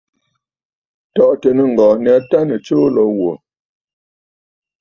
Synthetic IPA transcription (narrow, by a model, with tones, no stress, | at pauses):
tɔ˨ʔtə˨nə˨ŋ̩˨ɡɔ˨nɛ˨˦ta˦nə˨t͡ʃoː˦lɔ˨˦wo˨